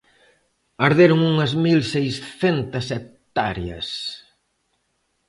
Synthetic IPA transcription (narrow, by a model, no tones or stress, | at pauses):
ɐɾðeɾʊŋuŋɐzmilsejsθent̪ɐset̪aɾjɐ̰s